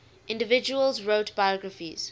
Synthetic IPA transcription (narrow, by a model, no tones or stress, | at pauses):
ʔɪ̃ndəvɪd͡ʒuəlzɹoʊtb̥ajɔɡɹəfḭz̥